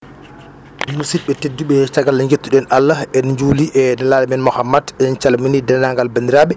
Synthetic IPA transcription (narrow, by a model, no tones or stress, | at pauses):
musit̚ɓɛtedːuɓɛt͡ʃaɡalaŋɡetːuɗɛnʔalːaɛnɲd͡ʒuːliʔɛnɛlaːlɛmɛnmɔxamːadɛnt͡ʃalminidɛnaŋɡalbandiɾaɓɛ